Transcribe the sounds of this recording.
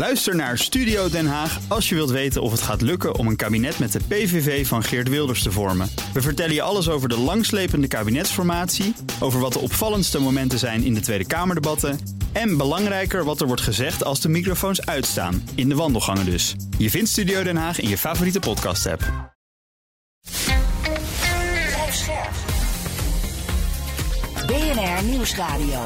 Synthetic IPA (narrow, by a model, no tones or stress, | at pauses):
lœɥstəɹnaːɹstydiowdɛnɦaːχɑlˠʃjəʋɪlˠtʋejtənʔɔ̰fətχaːtlɵkəʔɔ̰mənkaːbinɛtmɛt̚dəpejvevejvɑnχɪɹtʋɪlˠdəɹstəvɔɹməʋəvəɹtɛləjəʔɑləs̬owvəɹdəlɑŋslejpəndəkaːbinɛtsfɔɹmaːtsiʔowvəɹʋɑtdəʔɔpfɑləntstəmowmɛntəzɛjnɪ̰ndətʋejdəkaːməɹdebɑtə | ɛnbəlɑŋrɛjkəɹʋɑtəɹʋɔɹtχəzɛχtɑlˠzdəmikrofownsœɥtsta̰ːnɪndəʋɑndəlˠχɑŋədɵsjəvɪntstydijowdɛnɦaːχɪ̰njəfaːvoritəpɔtkɑ̰stɛ̰p | astɛɹχ | beɛnɛɹniwsraːdio